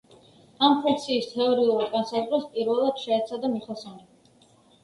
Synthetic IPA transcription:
ampʰɛktsʰiːst̪ʰɛɔɾiuɾɡansakut̪ʼɾaspʼiɾvɛlˠad̪̥ʃɛːt̪sʰad̪amiχɛsɔnɛ

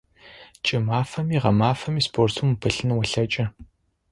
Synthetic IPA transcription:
t͡ʃʼɐmaːfɐmiːʁɐmaːfɐmiːspʰoːrtʰumpʰɨɬɨnwɐɬɐt͡ʃʼɐ

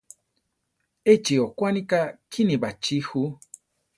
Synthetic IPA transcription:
et͡ʃiokʷwanĩkakʰinĩbat͡ʃihu

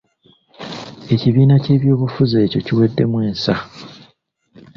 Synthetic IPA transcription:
e̞ciβiːnace̞ːβjo̞ːβufuze̞ːco̞ciwe̞dːe̞mwe̞ːnsa

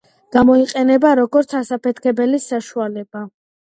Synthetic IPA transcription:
ɡ̥amɔiqʼɛnɛbaɾɔɡɔɾt̪sʰasapʰɛt̪ʰkʰɛbɛlisaʃualɛb̥a

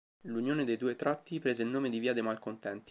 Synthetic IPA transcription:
lunjoːned̪ejd̪uːet̪ɾat̪ːipɾeːzeilnoːmed̪iviːad̪emalkont̪ɛnt̪i̥

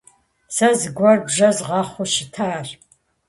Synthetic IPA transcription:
sɐzɨɡʷɔrbʒɐzʁɑːχʷʊʃɪtʰaːr

